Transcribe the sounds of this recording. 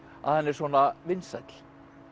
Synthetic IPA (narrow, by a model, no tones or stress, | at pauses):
a̰ðhɛnːɛɾswɔːnavɪnsajt̪l̥